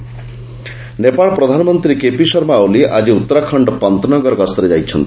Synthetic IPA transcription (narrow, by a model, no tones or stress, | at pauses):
nepaɭpɾɔd̪ʱanɔmɔnt̪ɾikepisɔɾmaːwliʔad͡ʒiut̪ːɔɾakʰɔɳɖɔpant̪ɔnɔɡɔɾɔɡast̪ɔɾed͡ʒajt͡ʃʰɔnt̪i̥